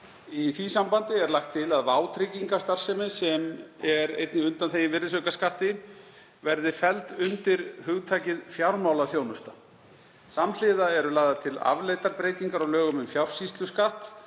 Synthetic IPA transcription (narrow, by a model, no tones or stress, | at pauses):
iθvisampant̪ɪɛɾlaxt̪ʰːɪlaðvaːwt̪ʰɾɪciŋkḁst̪ar̥sɛmɪsɛmɛɾḛjt̪nɪʏnt̪anθejɪnvɪrɪsœkaskaht̪ɪ | vɛɾðɪfɛlt̪ʏnt̪ɪɾ̥hʏɣt̪ʰaːcɪðfjawɾmawlaθjoːwnʏst̪a | saml̥ɪðaɛɾʏlaːɣðat̪ʰɪla̰vleːjt̪aɾpɾeːjt̪iŋkaɾaɣlœːɣʏmʏmfjawr̥sist̪lʏskaht̪